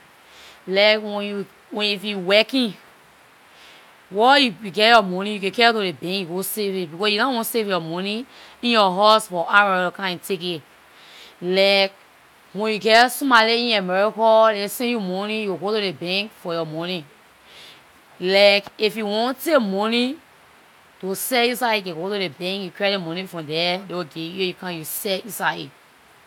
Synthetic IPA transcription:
lakwɛ̃nju | wɛ̃nifjuwɛkĩ | wɔjuuɡɛjɔmɔnĩjukẽkɛtoɾebɛ̃ŋkjuɡosevitbikɔsjunawõnsevjɔmɔnĩĩnjɔɦasfɔʔamɛɹikkãĩtʰeke | laɪk̚ | wɛ̃njuɡɛsumaliĩnamɛɹikɔlɛsɛ̃njumɔnijuwɡotuɾebɛ̃ŋkfɔjɔmɔnĩ | lakifjuwɔ̃ntekmɔ̃ni | tusɛjusaiɡɛɡotudebɛ̃ŋkjukɹiet̚emɔ̃nĩfɹɔ̃mdɛdewoɡeujukãjusɛjusaḭ

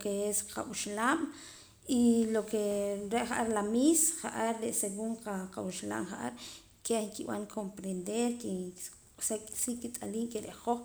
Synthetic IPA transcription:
keesqʰa̰ɓuʃlaːm | ilokeɾeʔχaʔaɾlamisχaʔaɾːeʔseɣuɴqaqawuʃla̰ːmχaʔaɾ | keŋkiɓa̰ŋkʰompɾend̪eɾki | sakʼi̥siːkːit̪ʼaliːʔkeɾeʔχoχ

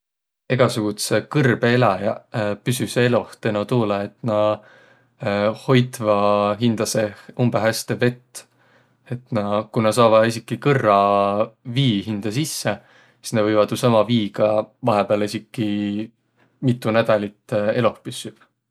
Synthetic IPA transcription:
e̞ɡ̥ɑsuɡ̥ut̪se̞kɤrb̥eelɑjɑpysysee̞lo̞ht̪enot̪uːlɑe̞t̪ˑnɑ | ho̞jt̪ˑvɑɦind̪̥ɑse̞umbeɦæst̪e̞ve̞t̪ː | e̞t̪nɑkunɑs̬ɑːvɑisikːˑikɤrːɑ | viːɦind̪̥ɑsisːe | si̥snevɤjvɑd̪̥jusɑmɑviːɡɑvɑɦepeɑlisikːˑi | mit̪ːˑunæd̪̥ɑlʲit̪ːˑe̞lo̞hpysyb̥

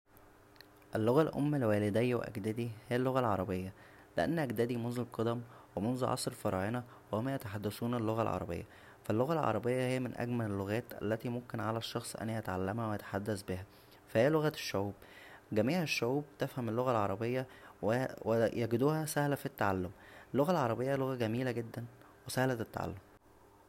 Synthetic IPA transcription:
ʔelːoɣælʔo̰mːælwæːled̪æjːwḛʔæ̰ɡd̪æd̪ihejːælːoɣælʕɑɾˤɑbejːæ | leʔænːʔæɡd̪æd̪imonzulqɑd̪æmwemonzʕʔɑ̰sˤɾfɑɾˤɑ̰ːʕenɑ | wehomːæjæt̪aħad̪ːæsuːnelːoɣælʕɑ̰ɾˤɑ̰bḛjːæ̰ | fælːoɣælʕɑ̰ɾˤɑbejːɑhejːæmenʔæ̰ɡmælelːoɣæːt̪ʔæ̰lːæt̪imomkenʕalæʃːɑxsˤʔæ̰nːiʔæt̪aʕalːæmhæwejæt̪ḁħad̪ːæsbehæ | fæhejːæloɣæʃːoʕuːbɡæmiːhææʃːoʕuːb̚t̪æfhæmelːoɣælʕɑɾˤɑbejːɑwewejæɡd̪uːhæsæhlæfit̪ːaʕalːomʔelːoɣælʕɑ̰ɾˤɑbejːæloɣæɡæmiːlæɡed̪ːæn | wesæhlæt̪t̪ːa̰ʕa̰lːom

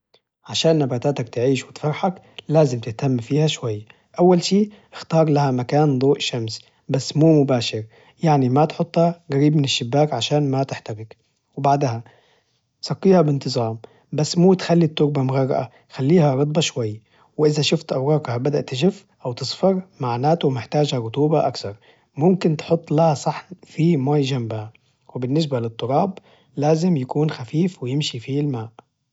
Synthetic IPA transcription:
ʕaʃaːnːabaːt̪aːt̪ak̚t̪ɪʕiːʃwɪt̪fɑɾˤħak | laːzɪmt̪ɪht̪amːfiːhaʃwajːa | ʔawːalʃiː | ʔɪxt̪ɑːɾˤlahamakaːnd̪ˤoːʔʃams | basːmuːmʊbaːʃɪɾ | jaʕnimat̪ħʊt̪ˤːhaɣaɾiːbmɪnɪʃːɪbːaːkʕaʃaːnmat̪ɪħt̪aɾɪk | wɪbaʕd̪ha | sˤɑqːiːhabɪnt̪ɨzˤɑːm | basːmuːt̪xalːit̪ːʊɾbamʊɣɑrˤːɑ̰ʔa̰ | xalːiːhaɾɑt̪ˤbɑʃwajːa | wɪʔɪzaʃʊft̪ʔawɾɑːkhabad̪aʔt̪ːɪʒɪf | ʔawt̪ɨsˤfɑɾmaʕnaːt̪umɪħt̪aːd͡ʒhaɾʊt̪uːbaʔakθɑɾˤ | mʊmkɪnt̪ħʊt̪ˤːlahasˤɑħfimaːjd͡ʒambha | wɪbɪnːɪs̬balɪt̪ˤːʊɾˤɑːb | laːzɪmjakuːnxafiːfwɪjɪmʃifilmaːʔ

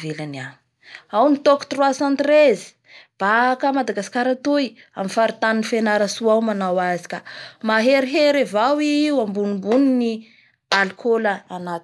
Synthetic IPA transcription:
velana | awnit̪oku̥t̪rwasãnt̪rezi̥ | b̥akamad̪aɡasi̥kaɾat̪uj | amifaɾit̪aninifenaɾasuawmanawazi̥kʲamaɦeɾiɦeɾevawiwambunimbunini | alkʰoləːnat̪

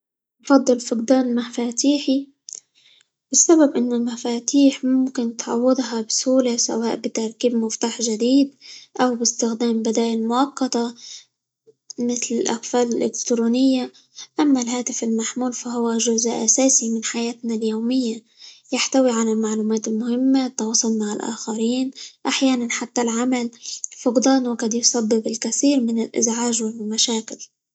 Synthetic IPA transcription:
ʔɑfɑd̪ˤːɨlfʊqd̪aːnmafaːt̪iːħi | bɪsːababʔɪnːʊlmafaːt̪iːħmʊmkɪnt̪ʕɑ̰wːɪd̪ˤɦɑbɪsuːlasa̰waːʔbɪt̪aɾˤkiːbmʊft̪aːħʒad̪iːd̪ʔawbɪst̪ɪxd̪aːmbɪd̪aːjɪlmʊʔɑqːɑt̪ɑ | mɪθlɪlʔa̰qfaːlɪlʔɪ̰kt̪ɾuːnɪjːa | ʔamːalɦaːt̪ɪfɪlmaħmuːlfaɦʊwaʒʊzʔasaːsimɪnħajaːt̪naljowmɪjːa | jaħt̪awiʕalalmaʕluːmaːt̪ɪlmʊhɪmːat̪ːɑwɑsˤʊlnaʕalʔa̰ːxaɾiːnʔaħjaːnanħat̪ːalʕamalfʊqd̪ˤɑːnwaqɪd̪jsˤɑbːɪbɪlkaθiːɾmɪnɪlʔɪ̰zʕaːʒwɪlmaʃaːkɪl

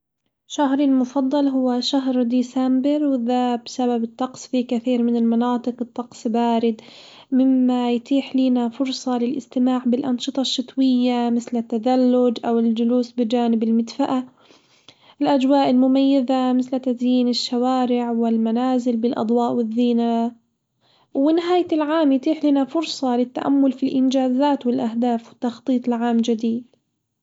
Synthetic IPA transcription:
ʃaɦɾɪlmʊfɑd̪ˤːɑlɦʊwːaʃaɦɾd̪iːsambɪɾwɪðaːbsababɨt̪ˤːɑqsˤfikaθiːɾmɪnɪlmɑnɑːt̪ˤɨqɨt̪ˤːɑqsˤbaːɾɪd̪ | mɪmːajt̪ˤiːħliːnafʊɾsˤɑlɪlʔɪ̰st̪ɪmaːʕbɪlʔɑnʃɨt̪ˤɑʃːɨt̪ˤwɪjːamɪθlɪt̪ːad̪alːʊd͡ʒʔawɪld͡ʒʊluːsbɪd͡ʒaːnɪbɪlmɪd̪faʔa | ʔɪlʔad͡ʒwaːʔɪlmʊmajːaðamɪθlɪt̪ːazjiːnɪʃːawaːɾɪʕwɪlmanaːzɪlbɪlʔɑ̰d̪ˤwɑːʔwɪðːiːna | wɪnɪɦaːjɪlʕaːmjt̪ˤiːħliːnafʊɾsˤɑlɪt̪ːaʔa̰mːʊlfilʔɪnd͡ʒaːzaːt̪wɪlʔahd̪aːfwɪt̪ːɑxt̪ˤiːt̪ˤɪlʕaːmd͡ʒad̪iːd̪

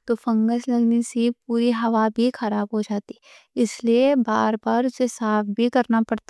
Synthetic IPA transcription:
t̪ofɐ̃ŋɡəslɐɡnesipuːɾiɦɐʋabʱixɐɾaːbɦod͡ʒaːt̪i | ɪsliebaːɾbaːɾʊsesaːfbʱikɐɾnapɐɽt̪a

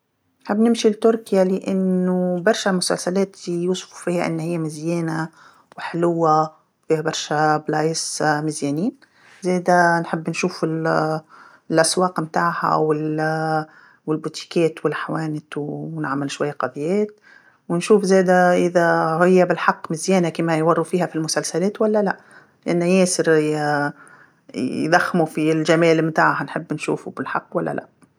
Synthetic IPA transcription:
nħɪbːnɪmʃilt̪ʊɾkjalɪʔanːʊbɑɾˤʃamʊsa̰lsalaːt̪juːsˤfu̥fiːhaʔɪ̰nːhɪjːamɪzjæːna | wħɪlʊwːa | fiːhabɑɾˤʃablaːjɪsmɪzjɛːniːn | zeːd̪anħɪbːnʃuːfɪl | lʔaswɑːqmt̪aːʕha̰wɪl | wɪlbuːt̪i̥kɛːt̪wɪlħawæːnɪt̪wnɪʕmɪlʃwajːæqɑðˤjɛːt̪̚ | wɪnʃuːfzæːd̪æʔɪðæhɪjːæbɪlħɑqːmɪzjɛːnakiːmæjwɑrˤːufiːhæfilmʊsælsælɛːt̪wælːælæʔ | lɪʔanːæjɛːsɪɾ | d̪ɑxːmufilʒæmɛːlmt̪aːʕhanħɪbːnʃṵːfubɪlħɑqːwælːæ̰lʔæ̰ʔ

